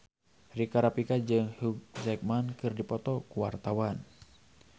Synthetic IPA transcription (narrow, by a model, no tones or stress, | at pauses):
rikaɾapikad͡ʒɨŋhuɡzɛk̚mankɨrdipɔt̪ɔkuwart̪awan